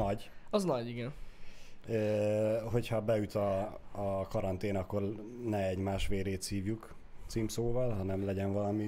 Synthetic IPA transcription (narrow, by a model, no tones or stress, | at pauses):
ɒɟɒznɒɟiɡɛn | øːɦo̞chɒbɛjyt̪ɒː | kɒɾɒnt̪eːnɒkːo̞rnɛɛɟmaːʃʋeːɾeːt̪siːvjuk | t̪simpsoːvɒlɦɒnɛmlɛɟɛnvɒlɒmi